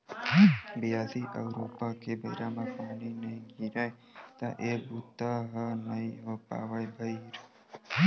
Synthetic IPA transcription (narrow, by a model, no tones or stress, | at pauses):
biasiʔə̰wɾopakebə̰iɾamãpanineɡiɾaj | t̪ãʔebut̪ːaɦənəiʋəpa̰ʋajbʱəiɾ